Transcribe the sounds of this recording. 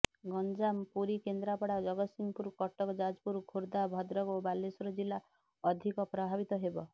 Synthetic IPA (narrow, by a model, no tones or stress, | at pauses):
ɡɔnd͡ʒampuɾikend̪ɾapɔɽad͡ʒɔɡɔt̪simpuɾkɔʈɔkɔd͡ʒad͡ʒpuɾkʰoɾd̪abʱɔd̪ɾɔɡobalːesɔɾɔd͡ʒilːa | ɔd̪ʱikɔpɾɔbʱabit̪ɔɦebɔ